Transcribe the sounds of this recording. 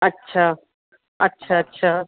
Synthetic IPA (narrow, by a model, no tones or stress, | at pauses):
ətːɕʰaː | ɐtːɕʰaətːɕʰaː